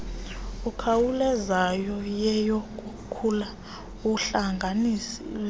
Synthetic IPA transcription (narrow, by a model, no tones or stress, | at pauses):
ukʰawulɛzajɔjɛjɔkʼukʰula | uɬaŋɡʱanisi